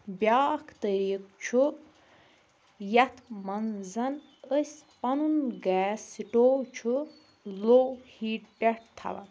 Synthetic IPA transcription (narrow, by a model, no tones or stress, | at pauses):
bʲjaːkʰt̪əɾiːk̚t͡ʃʰu | jɐt̪ʰmɐnzɐn | əsʲpɐnunɡɛːsiʈowt͡ʃʰu | lowhiːʈɖeʈ̚t̪ʰɐ̰ʋɐ̰n